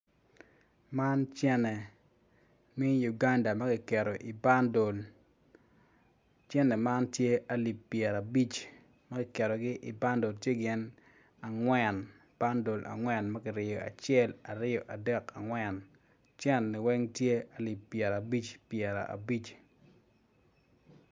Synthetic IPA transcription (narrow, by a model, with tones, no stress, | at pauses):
ma˦nt͡ʃɛ˦nɛ˨ | mi˦ju˨ɡa˦nda˨mɐ˦kɪ˨kɛ˨ɾo˨ʔi˨ba˦ndo˨l | t͡ʃɛ˦nɛ˨ma˦ntje˦a˦li˨pːjɛ˨ɾa˨bi˦t͡ʃ | mɐ˦kɪ˨kɛ˨ɾɔ˨ɡɪ˦ʔɪ̰˨ba˦ndo˨ltje˦ɡɪ˦n | a˨ŋwɛ˦˨n | b̥a˦ndo˨lʔa̰˨ŋwɛ˦nmɐ˦kɪ˨ɾɪjɔ˨a̰˨t͡ʃjɛ˦la˨ɾɪ˦jɔ˨ʔa˨dɛ˦ka˨ŋwɛ˨n | t͡ʃɛ˦nːi˨wɛ˦ŋtje˦a˨li˨pːjɛ˨ɾa˨bi˦t͡ʃpjɛ˨ɾa̰˨ʔa̰˨bi˦t͡ʃ